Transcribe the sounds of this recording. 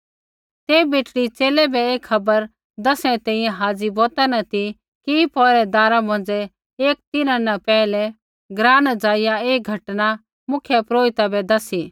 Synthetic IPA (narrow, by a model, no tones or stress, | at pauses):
t̪eːbeːʈɽit͡ʃeːlɛbɛeːkʰːɐbəɾ | d̪ɐsɽ̃ɛt̪ɛ̃ːĩjɛ̃ɦaːd͡ziboːt̪anɐt̪i | kipɔɾɛd̪aːɾamɐ̃n̆d͡zɛ | eːk̚t̪ɪnãnɛpɛːlɛ | ɡɾaːnd͡zaːɪjaeːɡʱɐʈna | mʊkʰjɛpɾoːɪt̪abɛd̪ɐsi